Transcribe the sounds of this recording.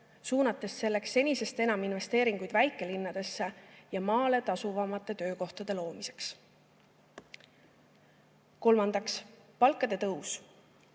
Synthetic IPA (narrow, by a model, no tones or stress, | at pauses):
suːnɑt̪ːˑe̞sːe̞lːe̞ksːe̞nʲise̞st̪e̞nɑminve̞st̪e̞ːɾiŋɡ̥ujd̪væjkːˑe̞linːɑd̪̥e̞sːe̞jɑmɑːle̞t̪ɑsuvɑmɑt̪ˑːe̞t̪ø̞ːko̞ht̪ɑd̪̥e̞lo̞ːmise̞ks | ko̞lmɑnd̪̥ɑkspɑlkːˑɑd̪̥e̞t̪ɤus